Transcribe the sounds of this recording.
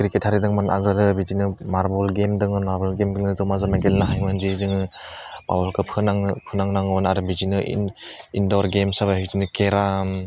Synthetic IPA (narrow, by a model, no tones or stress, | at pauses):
kɾikethaɾidɯŋmana̰ɡɯdɯbizinɯmaɾbɔlɡemdɯŋɔnmaɾbɔlɡemɡilnɯdɯmazamaɡelnaɦajmɯnzizɯŋɯba̰bɔlkɯpʰɯnaŋpʰɯnaŋnaŋɔnaɾɯbizinɯḭ | indɔɾɡemsaβahik̚zinɯkeɾam